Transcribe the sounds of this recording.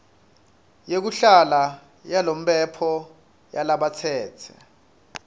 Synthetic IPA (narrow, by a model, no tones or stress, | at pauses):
jek̬uɬala | jalom̩pʼɛpʰɔ | jalaɓat͡sʰɛːt͡sʰɛ